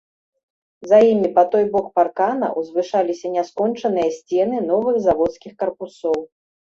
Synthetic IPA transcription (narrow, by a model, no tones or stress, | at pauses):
zɐjimʲipɐt̪ɔjbɔkparkanɐ̰ʔwzvɨʂalʲisʲɐnʲaskɔnt͡ʂɐnɨjɐsʲt͡sʲɛnɨn̪ɔvɨɣzavɔt̪skʲixkɐrpusɔw